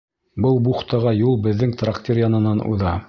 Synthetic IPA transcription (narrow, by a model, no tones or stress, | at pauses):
bɤlˠbuχt̪ɑʁɑjulˠbɘ̆ðːɘŋt̪raktʲeɾjɑnɤ̆nɑnʔṵðɑ